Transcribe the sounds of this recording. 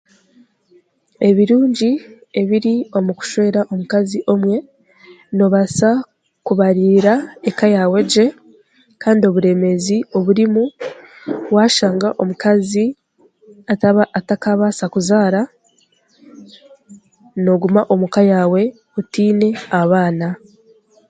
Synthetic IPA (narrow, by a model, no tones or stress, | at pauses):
e̞βiɾuːɲɟi | e̞βiɾio̞muku̥ʃwe̞ːɾaʔo̞mukaziʔo̞mwe̞ | no̞βasa | kuβaɾiːɾaekajawe̞ɟe̞ | kaːndio̞βuɾe̞ːme̞zio̞βuɾimu | waːʃaːŋɡaʔo̞mukazi | ataβaatakaβasakuzaːɾa | no̞ɡumaʔo̞mukajaːwe̞ | utiːne̞aβaːna